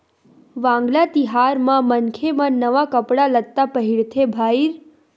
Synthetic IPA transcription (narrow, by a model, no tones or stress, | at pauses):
ʋãːŋɡlat̪iɦaɾmãmənkʰemãnəʋakəpɽaləɡ̚t̪apəɦiɭt̪ʰebʱaiɾ